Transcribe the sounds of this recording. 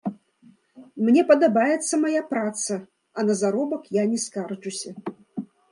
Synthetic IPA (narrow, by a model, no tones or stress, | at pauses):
mnʲɛpɐd̪abajɛt̪sːɐmajapɾat̪sɐ | ɐnɐzaɾɔbɐkjanʲɛskart͡ʂusʲɐ